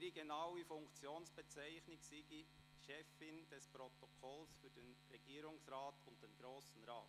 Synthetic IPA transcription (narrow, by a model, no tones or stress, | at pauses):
ɾiɡenaʊifʊŋkt͡sjoːnsb̥ɛt͡sæɪçnɪksiɡi | ʃɛfɪnd̥ɛspɾotokʰɔlsfyːd̥enɾɛɡ̥iːɾʊŋsɾaːtʊnt̚d̥enɡ̥ɾoːsn̩ɾaː